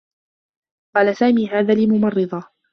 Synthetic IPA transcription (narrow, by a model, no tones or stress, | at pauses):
qɑːlasaːmiːɦaːðaːlɪlmʊmɑrˤːɨðˤɑ